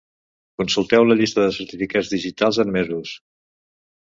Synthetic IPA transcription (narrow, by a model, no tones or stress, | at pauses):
kunsulˠt̪ɛwləʎist̪əðəsəɾt̪ifikazðiʒit̪alˠzəmmezus